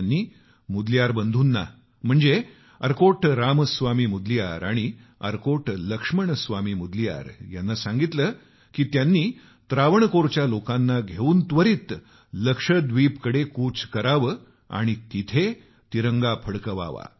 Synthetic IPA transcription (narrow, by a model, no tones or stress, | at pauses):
nːiː | mud̪ljaɾbənd̪ʱuːnːa̰ | m̤əɳd͡ze | əɾkoʈɾaməsʋamiːmud̪lija̰ɾaɽ̃i | ə̰ɾkoʈləkʂməɳsʋamiːmud̪lija̰ɾjanːasãŋɡit̪lə | kiːt̪janːiː | t̪ɾaʋəɳkoɾt͡ɕjalokãnːaɡʱeuːnt̪ʋəɾiːt̪ | ləkʂəd̪ʋipkəɽekuːt͡skəɾaʋə | a̰ɽ̃it̪it̪ʰe | t̪iɾəŋɡapʰəɽkəʋa̰ʋa̰